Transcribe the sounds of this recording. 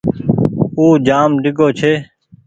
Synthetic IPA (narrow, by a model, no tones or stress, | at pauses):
uːd͡ʒaːmɖɪɡʱoːt͡ʃʰeː